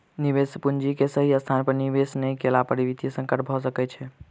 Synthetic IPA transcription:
niʋespund͡ʒikesəɦiəst̪ʰanpəɾniʋesnəjkelapəɾiʋit̪isə̃ŋkəɾʈʰbʱɔs̬əkɛt͡ʃʰɛ

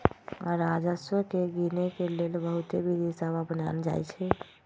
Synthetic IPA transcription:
a̰ɾad͡ʒəswəkeɡinekelelbəɦut̪ebʱid̪isababənald͡ʒa̰jt͡ʃʰɛ

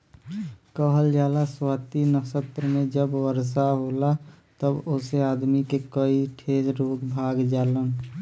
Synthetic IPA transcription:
kəɦəld͡ʒaːlaswaːt̪inəsət̪ɾəmẽd͡ʒəbwəɾs̬aɦoːlat̪əboseaːd̪mikekəiʈʰeːd͡ʒɾoːɡbʱaːɡd͡ʒaːlən

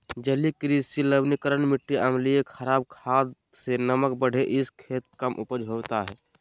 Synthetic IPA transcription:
d͡ʒəlikɾisiləbnikəɾənmɪʈːiʔəmlijekʰəɾaːbkʰaːd̪ | senəmək̚bəɽ̤eʔɪskʰeːt̪̚kəmʔʊpəd͡ʒʱɦoːt̪aɦɛː

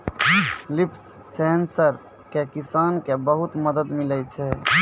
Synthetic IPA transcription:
lipsː | ensəɾ | kekisankebəɦut̪məd̪əd̪milɛt͡ʃʰɛ

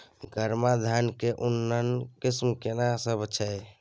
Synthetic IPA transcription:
ɡəɾmad̪ʱankeʔunːənkismkenasəbʱt͡ʃʰɛɪ

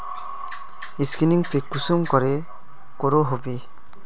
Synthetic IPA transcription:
iskiniŋpekːusumkɔɾe | koɾoɦobe

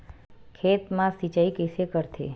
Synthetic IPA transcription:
kʰet̪mãsit͡ʃaikesekəɾt̪ʰḛ

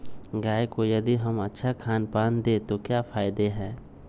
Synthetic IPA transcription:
ɡaːekojɐd̪iɦɐmɐtːʃʰakʰaːnpaːnd̪eːt̪okjaːfaːɪd̪eɦɛ̃ː

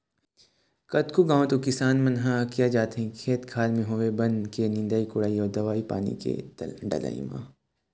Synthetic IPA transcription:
kɐt̪kuɡãːõt̪okɪsaːnmɐnɦakijad͡ʒaːt̪ĩkʰeːt̪kʰaːlmẽɦoːebɐnkenɪ̃nd̪aːikʊɽaːiɔːɾd̪ɐʋaːipa̰ːnḭkḛɖɐ̰la̰ːḭmã̰ː

